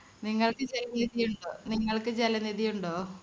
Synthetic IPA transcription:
niŋːɐɭkɨt͡ɕelɐniðijuɳɖoːniŋːɐɭkɨt͡ɕelɐniðijuɳɖoː

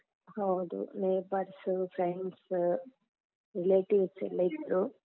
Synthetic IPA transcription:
hɐwd̪ṵneːpɐɾsfɾeɳɖs | ɾileːʈiʋsḛlːɐjt̪ɾu

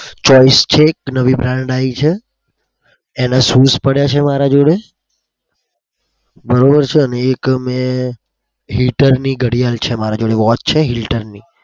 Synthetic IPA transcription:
t͡ʃɔist͡ʃʰeːknəʋibɾãɳɖait͡ʃʰe | enasuspəɽjat͡ʃʰemaɾad͡ʒoɽe | bəɾobəɾt͡ʃʰeəneːkmẽ | ɦiʈəɾniɡəɽijalt͡ʃʰemaɾad͡ʒoɽeʋɔt̪̚t͡ʃʰeɦilʈəɾni

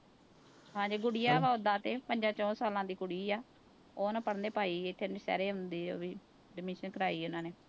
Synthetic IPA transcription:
ɦãːd͡ʒiːɡʊɽijãːʋaːʊd̪ãːt̪eːpəɲd͡ʒãːt͡ʃɔ̃ːsaːlãːd̪iːkʊɽiːaː | oːnãːpəɽnd̪eːpaːiːɪt̪ʰːeːnesɛ̰ːɾeːɦʊnd̪iːo̰ːbiː | ɖɪmɪʃənkəɾaːiːʊnãːneː

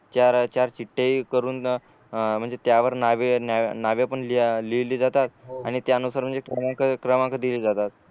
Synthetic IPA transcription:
t͡ɕjaɾt͡ɕjaɾt͡ɕiʈːeikəɾuːn | m̤əɳd͡zet̪jaʋəɾnaʋenanaʋeapəɳlililiːd͡zat̪at̪̚aɽ̃it̪jaənusaɾm̤əɳd͡zekɾəmãkəkɾəmãŋkəd̪iliːd͡zat̪at̪̚

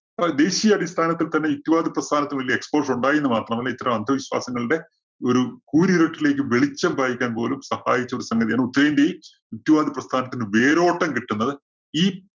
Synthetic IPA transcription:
d̪e̞ːɕijɐːdist̪ʰaːnɐt̪ːilt̪ɐnːeut̪ːjuʋaːd̪iprɐst̪ʰaːnɐt̪ːɨnʋɐɭlijɐekspoːrʂuɳɖaːjenːɨmaːt̪ːrɐɳɐmɐlːɐit̪ːɐrɐmɐnd̪ʱɐʋiɕwa̰ːsɐŋːɐɭiɽe̞ | o̞ɾukuːɾiɾeʈːile̞ːk̬ʲːɨʋeɭit͡ɕːɐmbʱaːjikʲːaːnpo̞ːlumsɐha̰ːjit͡ɕːɐo̞ɾusɐŋɡɐðijaːɳɨut̪ːɐɾɐjindeji | ut̪juʋaːd̪iprɐst̪ʰaːnɐt̪ːinɨʋe̞ːɾo̞ːʈːɐmkiʈːunːɐðɨ | iː

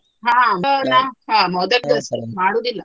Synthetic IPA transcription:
ɦãːmnaɦãːmɔd̪ɐɾd̪ɐsmaːɽoːd̪ilːɐ

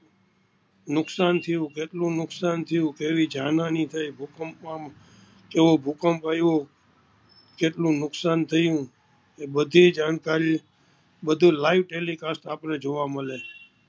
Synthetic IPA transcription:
nʊksant̪ʰəjũkeʈlũnʊksant̪ʰəjũkeʋid͡ʒanãnĩt̪ʰajbʱukəmpmãm | keʋobʱukəmpajʋo | keʈlũnʊksant̪ʰəjũ | ebəd̪ʱid͡ʒankaɾi | bəd̪ʱũlaiʋʈelikast̪apned͡ʒoʋaməle

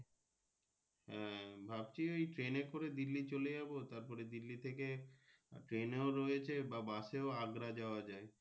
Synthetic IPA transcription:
hɛ̃bʱabt͡ɕiejʈɾenekoɾed̪ilːit͡ɕoled͡ʑabot̪aɾpɔɾed̪ilːit̪ʰeke | ʈɾeneoɾɔjet͡ɕʰebabaʃeoaɡɾad͡ʑaoad͡ʑae

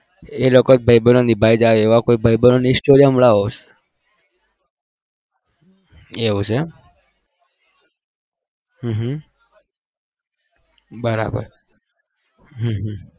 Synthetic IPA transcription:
elokobʱəjbənonibʱaid͡ʒaʋeeʋakoibʱəibənonisʈoɾijəmɭaɦos | eʋũt͡ʃʰe | ɦɦ | bəɾa̰bə̰ɾ | ɦəɦ

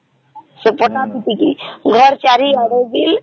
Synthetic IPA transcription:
sepɔʈapiʈ̪ikiɡʱɔɾt͡ʃaɾiaɽeɡil

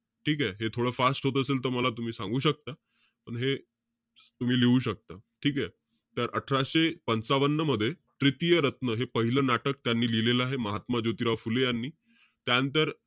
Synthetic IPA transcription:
ʈʰiːkeɦet̪ʰoɽəːfasʈɦot̪əseːlt̪əɾməlat̪um̤iːsãŋɡuːɕək̚t̪a | pəɳɦe | t̪um̤iːliʋuːɕək̚t̪aʈʰiːkje | t̪əɾʔəʈʰɾaɕepənt͡saʋənːəməd̪ʱːjet̪ɾit̪ijəɾət̪nəɦepəɦilənaʈək̚t̪janːiːlileləaɦeməɦat̪mad͡ʑot̪iɾafulejanːiː | t̪jant̪əɾ

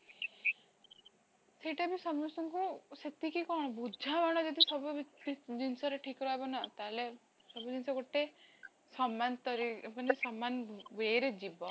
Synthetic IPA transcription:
seʈabisɔmɔsɔŋkuset̪ikikɔːɽ̃ɔbud͡ʒʱabaɽ̃ɔd͡ʒɔd̪isɔbuiid͡ʒinsɔɾeʈʰikɾɔɦebɔnat̪ale | sɔbud͡ʒinsɔɡoʈe | sɔmant̪ɔɾibɔnesɔmːanʋeɾed͡ʒibɔ

